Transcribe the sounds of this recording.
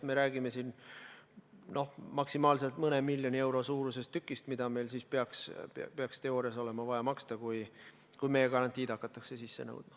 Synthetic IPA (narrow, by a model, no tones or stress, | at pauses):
me̞ɾæːɡ̥ime̞siːn | no̞hmɑksimɑːlse̞lt̪mɤne̞milʲːjonie̞wɾo̞suːɾuse̞st̪ːykːˑist̪mid̪̥ɑme̞jlsiːspeɑkspeɑkst̪e̞oːɾjɑso̞le̞mɑvɑjɑmɑkst̪ɑkuj | kujmejekɑɾɑnt̪iːt̪ɑkːˑɑt̪ːˑɑkse̞sisːe̞nɤ̰wd̪̥̚mɑ